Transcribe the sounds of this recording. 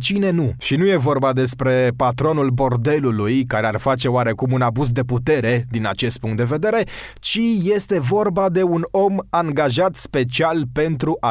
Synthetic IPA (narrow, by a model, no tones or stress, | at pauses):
t͡ʃine̞nuʃinuje̞vo̞rbad̪e̞spɾe̞pat̪ɾo̞nulbo̞rd̪e̞lulujkaɾe̞arfat͡ʃe̞oaɾe̞kumunabuzd̪e̞put̪e̞ɾe̞d̪ina̰t͡ʃe̞st̪̚puŋkt̪d̪e̞ve̞d̪e̞ɾe̞t͡ʃije̞st̪e̞vo̞rbad̪e̞uno̞maŋɡaʒat̪spe̞t͡ʃialpe̞nt̪ɾuʔa